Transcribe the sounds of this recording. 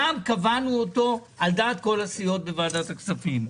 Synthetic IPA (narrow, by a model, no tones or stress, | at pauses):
amkavanuot̪o̞ | ald̪aːt̪̚ko̞lasijo̞t̪̚bevaːd̪at̪aksafim